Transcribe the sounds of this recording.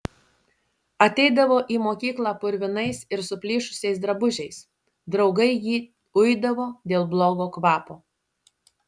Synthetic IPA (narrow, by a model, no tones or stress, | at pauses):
ɐt̪ʲɛɪd̪ɐʋoːʔiːmoːkʲiːklˠɑːpʊɾʲʋʲɪnɐɪsɪɾsʊpʲlʲiːʃʊ̥sʲɛɪsd̪ɾɐbʊʒʲɛɪs | d̪ɾɒʊɡɐɪjiː | ʊjd̪ɐʋoːd̪ʲeːlˠblˠoːɡoːkʋɑːpoː